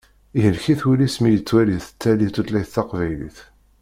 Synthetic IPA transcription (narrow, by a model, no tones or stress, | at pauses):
iɦəlçiθulismijət͡sːwæliðθə̥t͡sːælit̪ːut̪læjθɑqvæjlḭθ